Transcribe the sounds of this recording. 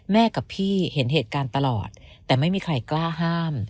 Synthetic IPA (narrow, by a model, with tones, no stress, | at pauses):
mɛː˥˩ka˨˩pʰiː˥˩he˩˦nɦeː˨˩t̪̚kaː˧nt̪a˧lɔː˨˩t̪̚tːɛː˨˩ma˥˩jmiː˧kʰɾa˧jklaː˥˩ɦaː˥˩m